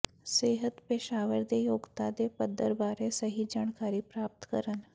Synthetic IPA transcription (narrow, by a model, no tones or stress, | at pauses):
seɦət̪peɕaʋəɾd̪ejoɡt̪ad̪epəd̪ʱːəɾbaɾesəɦid͡ʒaɳkaɾiːpɾap̚t̪kə̰ɾən